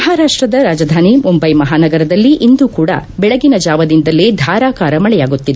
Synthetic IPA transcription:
mɐɦaːɾaːʂʈɾɐd̪ɐɾaːd͡ʒɐd̪ʱaːnimumbɐjmɐɦaːnɐɡɐɾɐd̪ɐlːiʔind̪uːkuːɽɐ̰bɛɭɐɡinɐd͡ʒaːʋɐd̪ind̪ɐlːed̪ʱaːɾaːkaːɾɐmɐɭɛjaːɡut̪ːid̪e

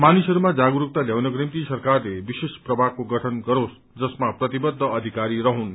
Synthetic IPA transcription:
manisʌɾumad͡zaɡuɾuk̚t̪aljawnʌkrimt̪isʌrkarlebisesprʌbʱakoɡʌʈʰʌnɡʌɾos | d͡zʌsmaprʌt̪ibʌd̪ʱːʌʌd̪ʱikaɾiɾʌɦun

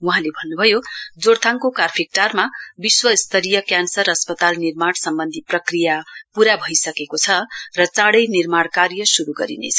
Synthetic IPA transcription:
wuɦãlebʱʌnːubʱʌjod͡zoɽt̪ʰaŋkokarpʰik̚ʈarmabiswʌist̪ʰʌɾijʌkjansʌrʌspʌt̪alnirmaɽsʌmbʌnd̪ʱiprʌkrijapuɾabʱʌjsʌkekot͡sʰʌrʌt͡sãɽʌjnirmaɽkarjʌsuɾuɡʌɾḭnḛt͡sʰʌ

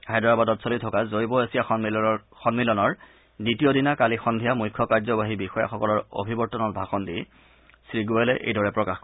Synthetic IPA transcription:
ajdɔɹabadɔtsɔlitʰɔkazojbɔasija | xɔnmilɔnɔɹ | ditijodinakalixɔndʱijamujkʰːɔkaɹzɔbaɦibixɔja̰xɔkɔlɔɹo̰bʱibɔɹtːɔnɔt̚bʱaxɔndi | sɹiɡuɛlɛʔḛjdɔɹɛpɹɔkax

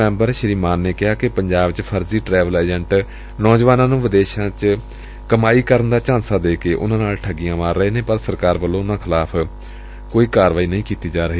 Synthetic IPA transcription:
ɛ̃ːmbəɾʃəɾiːmaːnːeːkɪɦaːkɪpəɲd͡ʒaːbt͡ʃpʰəɾziːʈɾɛːʋəlɛːd͡ʒɛɳʈ | nɔːd͡ʒʋaːnãːnũːʋɪd̪eːʃãːt͡ʃ | kəmaːiːkəɾənd̪aːt͡ʃãːnsaːd̪eːkeːʔʊ̰nãːnaːlʈʰəɡijãːmaːɾːəeːneːpəɾsəɾkaːɾbəlːõːʊnãːkʰɪlaːpʰ | koːiːkaːɾʋaːiːnəĩːkiːt̪iːd͡ʒaːɾəɦiː

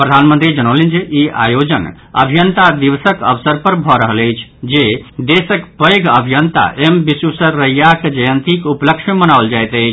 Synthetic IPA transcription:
pɾəd̪ʱanmənt̪ɾid͡ʒəñolind͡ʒeʔia̰jod͡ʒən | ə̰bʱijənt̪ad̪iβsəkə̰ʋsəɾpəɾbʱɔɾəɦələjt͡ʃʰd͡ʒed̪esəkpəjɡʱəbʱijənt̪a̰ʔembisusəɾːəjjakd͡ʒəjənt̪ikupləkʃmənaʋld͡ʒajt̪ət͡ʃʰ

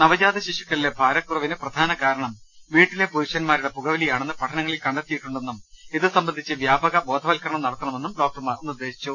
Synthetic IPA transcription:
nɐʋɐd͡ʑaːd̪ʱɐɕiʂikːɐɭile̞bʱaːɾɐkːurɐʋinɨprɐd̪ʱaːnɐkaːɾɐɳɐm | ʋiːʈːile̞puɾuʂɐnmaːɾuɽe̞puɣɐʋɐlijaːɳe̞nːɨpɐʈʰɐnɐŋːɐɭilkɐɳɖɐt̪ːijiʈːuɳɖe̞nːumiðɨsɐmbɐnd̪ʱit͡ɕːɨʋjaːbɐɣɐbo̞ːd̪ʱɐʋɐlkɐɾɐɳɐmnɐɽɐt̪ːɐɳɐmenːumɖo̞ːk̚ʈɐrmaːrnːiurd̪ːe̞ːɕi̥t͡ɕːu

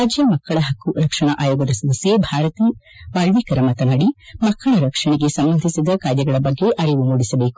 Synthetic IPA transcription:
aːd͡ʒjɐmɐkːɐɭɐɦɐkːuɾɐkʂɐɳɐʔaːjoːɡɐd̪ɐsɐd̪ɐsjebʱaːɾɐt̪i | ʋaːɭʋikɐɾɐmɐt̪ɐnɐɽimɐkːɐɭɐɾɐkʂɐɳeɡe̞sɐmbɐnd̪ʱisid̪ɐkaːɾjɐɡɐɭɐbɐɡːe̞ʔɐɽiʋumuːɽisɐbeːku̥

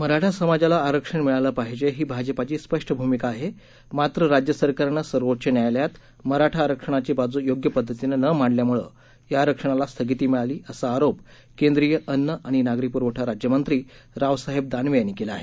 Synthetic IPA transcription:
məɾaʈʰasəmad͡ʑalaːɾəkʂəɳmiɭaləpaɦid͡ʑeɦiːbʱad͡ʑəpat͡ɕiːspəʂʈʰəbʱumikaːɦe | mat̪ɾəɾad͡ʑjəsəɾkaɾnəsəɾʋoʈ̚t͡ɕenjajljat̪ | məɾaʈʰaːɾəkʂəɳ̃at͡ɕibad͡zuːjoɡjəpəd̪ʱːət̪inənəmaɳɖljamuɭə | jaːɾəkʂəɳ̃alast̪ʰəɡit̪iːmiɭaliːʔəsaːɾop | kẽnd̪ɾijəʔənːəʔaɽ̃inaɡɾipuɾʋəʈʰaɾad͡ʑjəmənt̪ɾiː | ɾaʋsaɦeb̚d̪anʋejanːiːkelaaɦḛ

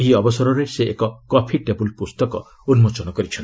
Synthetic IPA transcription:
ɦiɔbɔsɔɾɔɾeseʔekɔkɔpʰiʈebulpust̪ɔkɔ̰ | unmot͡ʃɔnɔkɔɾit͡ʃʰɔn

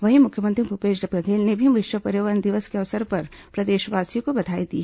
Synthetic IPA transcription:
ʋɐɦimʊkʰjəmə̃nt̪ɾibʱupeːd͡ʒɖɐbɡəd̪ʱeːlnebʱimɪʃʋəpɐɾjoːʋənd̪ɪʋəskeɐʋsəɾpɐɾpɾɐd̪eːʃʋaːsijõkobɐd̪ʱaːid̪ḭː

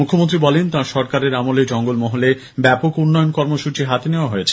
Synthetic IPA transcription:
mukʰːomõnt̪ɾibɔlent̪ãʃɔɾkaɾeɾamoled͡ʑɔŋɡolmɔɦole | bɛpokunːɔjonkɔɾmoʃut͡ɕiɦat̪eneoaɦoet͡ɕʰe̥

